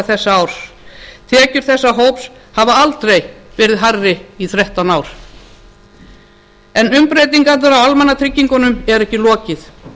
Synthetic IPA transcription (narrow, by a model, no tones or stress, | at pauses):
θɛsːaaːwɾ̥ | t̪ʰɛːcʏɾ̥θɛsːaɦowps | havaalt̪ɾejvɛːɾɪðɦarːɪiθɾɛht̪awnaːwɾ̥ | ɛnʏmpɾejt̪iŋkaɾðaɾawalmanat̪ʰɾɪcːiŋkɔnʏmɛɾɛhcɪlɔːcɪθ